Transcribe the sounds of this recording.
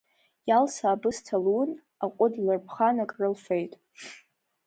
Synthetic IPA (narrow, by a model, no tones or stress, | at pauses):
jalsaːbɨstʰaln | aqʷʼʊdlɨrpʰχanakʼrɨlfejtʼ